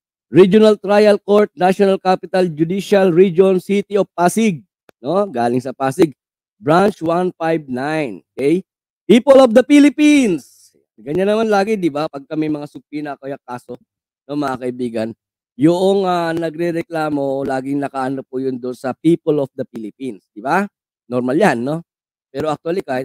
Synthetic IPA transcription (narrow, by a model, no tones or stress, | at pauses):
ɹid͡ʒonɐlt̪ɾajɐlkoɹt̪̚naʃonɐlkapɪt̪ɐld͡ʒʊd̪iʃɐlɹid͡ʒonsit̪ɪopaːsɪɡ̚ | noɡaːlɪŋsɐpaːsɪɡ̚ | bɹant͡ʃwanfajb̚najnokɛj | piːpolofd̪ɐpilɪpins | ɡɐɲanɐmanlaːɡɪd̪ɪbapɐɡ̚kɐmɛjmɐŋasʊpinɐkɐjakaːso̞ | nomɐŋakɐʔɪbiːɡɐn | jʊʔoŋanɐɡɾɛɾɛklaːmo̞laːɡɪŋnɐkaʔɐnopʊjʊnd̪onsɐpiːpolofd̪ɐpilɪpinsd̪̥ɪbaː | oɾmaljanːo̞ | pɛːɾoʔɐk̚t̪walika